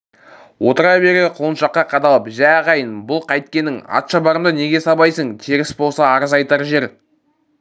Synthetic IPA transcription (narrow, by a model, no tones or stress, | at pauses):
wo̞t̪əɾɑjbe̞ɾeqʰolˠənʃɑqːɑqʰɑd̪ɑlˠəpʒæʁɑjənbʊlˠqʰɑjt̪̚kʲe̞nːɪŋɑ̰t̪ʃɑbɑɾəmd̪əne̞ɡʲe̞sɑbɑjsəɴt̪ʲʰeɾɪsbo̞lˠsɑːɾəzɑjt̪ɑɾʒe̞ɾ